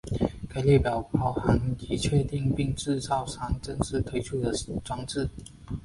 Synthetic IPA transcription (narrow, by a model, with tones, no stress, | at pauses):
kʰa˧˥lɛ˥˩pjɑ˨˩ʊpɑ˨˧˩ʊha˧˥ŋt͡ɕi˧˥t͡ɕʰɥɛ˥˧t̪i˥˧ŋpi˥˧ŋʈ͡ʂɻ̩˥˧sɑ˥ʊʂɑ˥ŋʈ͡ʂə˥nʂɻ̩˥˩t̪ʰwe˥ɪʈ͡ʂʰu˥˩d̪ə˨ʈ͡ʂwɑ˥ŋʈ͡ʂɻ̩˥˩